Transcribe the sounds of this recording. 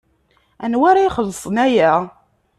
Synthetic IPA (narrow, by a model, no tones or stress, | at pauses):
ænwaɾajχəlːsˤənæjæ